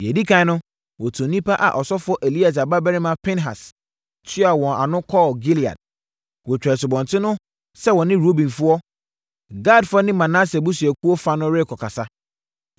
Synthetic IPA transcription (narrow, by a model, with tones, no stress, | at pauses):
jɛ˨di˦kʰã˨˦nʊ̃˦ | wɔ˨tʰõ˨nĩ˦pʰa˦ʔa̰˨ʔɔ˨sɔ˦fʊ˦ɔ˦ʔe˨li˦a˨s̬a˨ba˦bɛ˦ɾɪ̃˦mã˦pʰɛ̃˦nɦa̰˨s | tʰi˦a˨wɔ̃˨na˨nʊ̃˦kʰɔ˦˨ɡi˦li˨a̰˨d̥̚ | wɔ˨t͡ɕᶣɾɛ˨sɪ˨bɔ̃˨ntʰɪ˦nʊ̃˦ | sɛ˦wɔ̃˨nɪ̃˦ɾo˦bĩ˨nfʊ˦ɔ˦ | ɡa˦˨dfʊ˦ɔ˦nɪ̃˦mã˨nã˦sɛ˨bʊ˦si˨ɛ˨ku˦ɔ˦fa˦nʊ̃˦ɾe˦˨kʰɔ˨kʰa˨sa˦